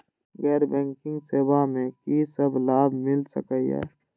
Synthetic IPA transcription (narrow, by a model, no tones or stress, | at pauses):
ɡɛːɾbɛ̃ːŋkɪ̃ŋɡseːbamẽkisəblaːbmɪlsə̰kəijɛ̰ː